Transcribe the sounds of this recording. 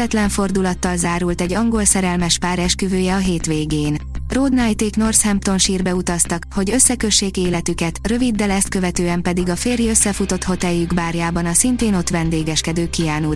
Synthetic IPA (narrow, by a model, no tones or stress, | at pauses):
ɛt̪lɛɱfo̞rd̪ulɒt̪ːɒlzaːɾult̪ɛɟːɒŋɡo̞lsɛɾɛlmɛʃpaːɾɛʃkyvøːjɛɒɦeːt̪ʋeːɡeːnroːd̪najt̪eːkno̞rshɛmp̚t̪o̞nʃiːrbɛut̪ɒst̪ɒkho̞ɟø̞sːɛkø̞ʃːeːkeːlɛt̪ykɛt̪rø̞vid̪ːɛlɛst̪kø̞vɛt̪øːɛmpɛd̪iɡɒfeːrjiøsːɛfut̪o̞t̪ho̞t̪ɛjːyɡbaːrjaːbɒnɒsint̪eːno̞t̪ʋɛnd̪eːɡɛʃkɛd̪øːkijaːnu